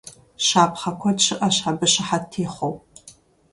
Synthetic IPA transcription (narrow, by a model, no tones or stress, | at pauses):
ʃaːpʰχɐkʷʰɔt͡ʃʰɨʔɐʃħabɨʃɪħatʰːeːχʷow